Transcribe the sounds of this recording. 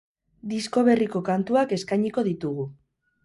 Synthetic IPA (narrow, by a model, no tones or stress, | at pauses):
d̪isko̞β̞e̞riko̞kant̪uake̞skajɲiko̞ðit̪uɣu